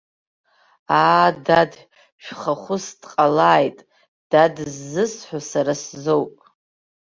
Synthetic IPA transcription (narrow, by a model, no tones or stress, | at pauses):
aːdad | ʃᶣʷχaχʷʊsd̥qʼalaːjtʼ | d̥adzːɨsħʷasaɾaszowpʼ